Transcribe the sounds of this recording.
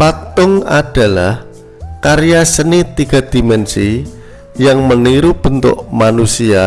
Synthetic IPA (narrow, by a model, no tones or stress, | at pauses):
pat̪ʊŋa̰d̥a̤lah | kaɾijasənit̪iɡ̥a̤d̪̥i̤mɛnsi | jaŋməniɾub̥ənt̪ʊ̰ʔmanusia